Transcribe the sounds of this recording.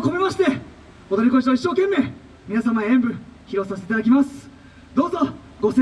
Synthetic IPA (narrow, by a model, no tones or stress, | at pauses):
ko̞memaɕi̥t̪e̞ | od̪oɾʲikõ̞ɕ̬aiɕːo̞ːkẽ̞mːe̞ː | mʲinasamaẽmbɯ̟çiɾo̞saseit̪ad̪ak̬ʲimasɨ̥ | d̪o̞ːzo̞ | ɡo̞se